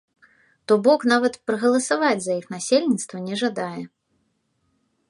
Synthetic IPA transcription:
t̪ɔbɔknavɐt̪pɾɐɣɐlˠɐsavad͡zʲzɐjixnasʲelʲnʲit̪st̪vɐnʲɛʐad̪ajɛ

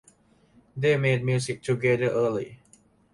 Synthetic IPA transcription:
demed̚mjusik̚tʰuɡɛdəʔəli

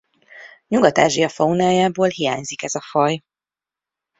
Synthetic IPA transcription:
ɲuɡɒt̪aːʒijɒfɒunaːjaːboːlhija̰ːɲzikɛzɒfɒj

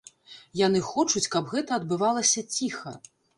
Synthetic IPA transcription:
janɨxɔt͡ʂut͡sʲkɐbɣɛt̪ɐːd̪̚bɨvalˠɐsʲɐt͡sʲixɐ̰

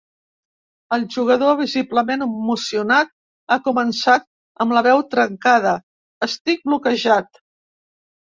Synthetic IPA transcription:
əlˠʒuɣəðoβ̞izibləmenəmusiunat̪̚ | akumənsat̪̚ | əmləβɛwt̪ɾəŋkað̞ə | əst̪ik̚blukəʒat̪

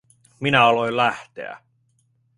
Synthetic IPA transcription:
minæɑlo̞jlæht̪ḛæ̰

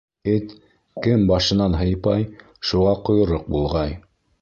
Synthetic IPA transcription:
ɘt̪ | kɘmbɑʃɤ̆nɑnɦɤ̆jpɑj | ʃuʁɑqŏjŏɾoq̚bulˠʁɑj

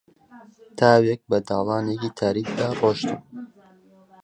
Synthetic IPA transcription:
t̪ʰaːwek̚bɐd̪ɑːlˠɑːnekiːt̪ʰaːɾiːkd̪aːroːʃt̪um

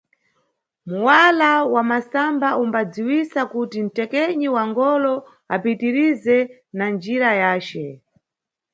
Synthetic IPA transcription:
muwalawamasambaumbad͡ziwisakutin̩tɛkɛɲiwaŋɡɔlɔ | apitiɾizɛ | nand͡ʒiɾajaːt͡ʃɛ

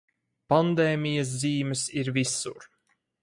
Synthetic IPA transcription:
pand̪eːmʲijɐs̬ziːmɛsiɾvisuɾ

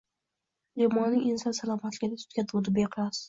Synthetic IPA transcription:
lemɒnɪŋɪnsɒnsalˠɒmat̪lɪɡʲɪd̪ɪsʰʊ̥t̪kʲad̪ʰud̪ɪbeqʰɨlˠas

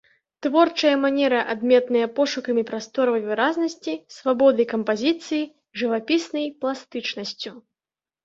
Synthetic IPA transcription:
t̪vɔrt͡ʂɐjɐmanʲɛɾɐʔad̪mʲɛt̪nɐjɐpɔʂukɐmʲipɾast̪ɔɾɐvɐjvɨɾaznɐsʲt͡sʲisvabɔd̪ɐjkɐmpazʲit̪sɨji | ʐɨvapʲisnɐjplˠast̪ɨt͡ʂnɐsʲt͡sʲu

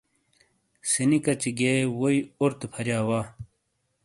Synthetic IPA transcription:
sinikɐt͡ɕiɡewoiuɾt̪pʰɐɾjaːwaː

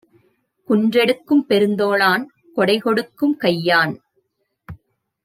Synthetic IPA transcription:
kʊndrɛɽɯkːɯmpɛɾɯnd̪oːɭaːn | kɔɽɐɪkɔɽɯkːɯmkɐjːaːn

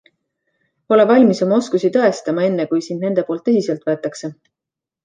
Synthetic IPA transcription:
o̞le̞vɑlʲmiso̞mɑo̞skusit̪ɤ̞e̞st̪ɑmɑe̞nːe̞kujsind̪ne̞nd̪e̞polt̪ːˑɤsise̞lt̪ˑe̞t̪ːˑɑkse̞

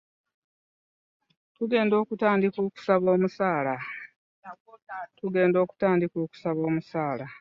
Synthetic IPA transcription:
tuɡe̞ːndo̞ːkutaːndiko̞ːku̥saβo̞ːmusaːla | nakotatuɡe̞ːndo̞ːku̥taːndiko̞ːku̥saβo̞ːmusaːla

